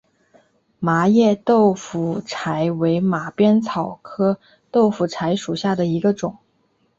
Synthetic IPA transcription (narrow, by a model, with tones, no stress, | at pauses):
ma˧˥jɛ˥˧t̪o˥˩ʊfu˨˩ʈ͡ʂʰa˧˥ɪwe˧˥ɪma˨˩pjɛ˥nt͡sʰɑ˨˩ʊkʰɤ˥ | t̪o˥˩ʊfu˨˩t͡sʰa˧˥ɪʂu˨˩ɕja˥˩d̪ə˩i˧˥ɡə˧ʈ͡ʂʊ˨˩˦ŋ